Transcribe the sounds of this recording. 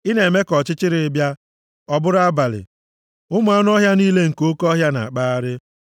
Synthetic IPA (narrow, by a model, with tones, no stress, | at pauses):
ɪ˦ne˨me˦kɔ˨t͡ʃɪ˦t͡ʃɪ˦ɾɪ˨ɪ˦bja˦ | ɔ˦bʊ˦ɾa˦ba˨lɪ̰˨ | ʊ˦mʊ˦a˦nʊ˦ɔ˦ɦja˦niː˦le˦ŋ̩˨ko˦kɔ˦ɦja˦na̰˨a˨k͡pa˦a˦ɾɪ˦